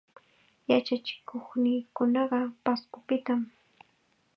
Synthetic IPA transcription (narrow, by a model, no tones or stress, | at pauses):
jat͡ʃat͡ʃɪ̥kʰoχnɪːkʊnɑɢɑpaskʊpɪt̪am